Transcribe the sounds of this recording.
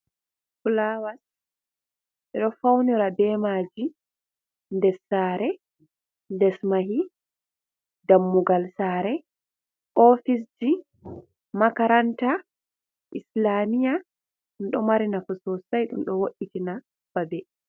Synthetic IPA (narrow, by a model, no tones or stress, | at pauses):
fulawas | ʔɛɗɔfawniɾabɛːmaːd͡ʒi | ndɛsaːɾɛ | ndɛsmaɦi | damːuɡalsaːɾɛ | ʔɔfis̬d͡ʒi | makaɾanta | ʔislamija | ɗunɗɔmaɾinakɔsɔsajɗṵmɗɔwoɗːitina | b̥abɛ